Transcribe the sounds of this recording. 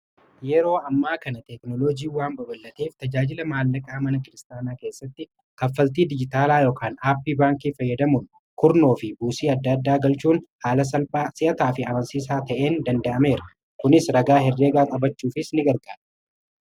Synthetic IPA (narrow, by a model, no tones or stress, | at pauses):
jɛɾo̞ːɐmːaːkɐnɐt̪ɛknɔlod͡ʒiːwaːmbɐbɐlːɐt̪eːft̪ɐd͡ʒaːd͡ʒɪlɐmaːlːɐkʼaːmɐnɐkɪɾɪst̪aːnaːke̞ːsːɐt̪ːɪ | kɐfːɐlt̪̬iːd̪ɪd͡ʒɪt̪aːlaːjoːkʰaːnaːpːiːbaːŋkiːfɐjːɐd̪ɐmʊn | kʊɾno̞ːfɪbuːsiːɐd̪ːɐd̪ːaːɡɐlt͡ʃuːnhaːlɐsɐlpʼaːsɪʔɐt̪aːfɪɐmɐnsiːsaːt̪ɐʔe̞ːnd̪ɐnd̪ɐʔɐme̞ːɾɐ | kʊnɪsɾɐɡaːɦɛrːeːɡaːnɐbɐt͡ʃːuːfɪsnɪɡɐɾɡaːᶑ̥